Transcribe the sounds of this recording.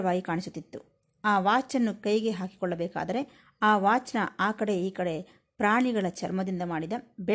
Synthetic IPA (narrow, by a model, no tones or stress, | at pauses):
ɐʋaːɡikaːɳisut̪ːit̪ːṵ | aːʋaːt͡ʃɐnːukɐjɡe̞ɦaːki̥kɔɭːɐbɛːka̰ːd̪ɐɾe̞ | aːʋaːt͡ʃɐnɐaːkɐɽe̞iːkɐɽe̞ | pɾaːɳiɡɐɭɐt͡ʃʰɐɾmɐd̪ind̪ɐmaːɽid̪ɐbɛ